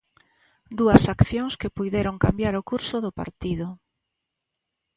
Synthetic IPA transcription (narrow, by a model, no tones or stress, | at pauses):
d̪uɐsakθjoŋskepujðeɾoŋkambjaɾʊkuɾsʊðʊpa̰ɾt̪iðʊ